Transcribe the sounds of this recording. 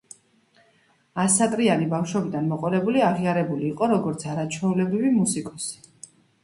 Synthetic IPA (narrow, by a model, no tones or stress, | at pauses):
asat̪ʼɾianibafʃwɛbid̪anmɔqʼɔlɛbuliaʁiaɾɛbuliːqʼɔɾɔɡɔɾt̪sʰaɾat͡ʃʰɛulɛbɾivimusikʼɔsi̥